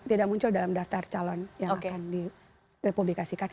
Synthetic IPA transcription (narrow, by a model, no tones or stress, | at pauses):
t̪idak̚muɲt͡ʃʊldalamdaft̪art͡ʃalɔnjaŋakkandi | republikasikan